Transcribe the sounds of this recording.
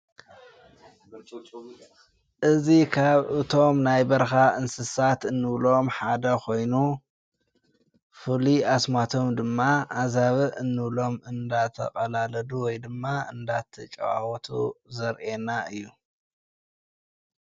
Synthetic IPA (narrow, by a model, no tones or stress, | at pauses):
ʔɨzikʰaβʔɨt̪ʰo̞mnajbɐɾxaʔɨnsɨsat̪ɨnːɨβlo̞mħad̪ɐkʰo̞jnu | fɨliasmat̪ʰo̞md̪ɨmːaʔazaβɨʔɨnːɨβlo̞mɨnd̪at̪ʰɐ̰qʼɐlalɐduwɔjd̪ɨmːaɨ̰nd̪at̪ʰɨt͡ʃʼɐ̰wa̰wɔt̪ʰṵzɐɾʔenaʔɨjːu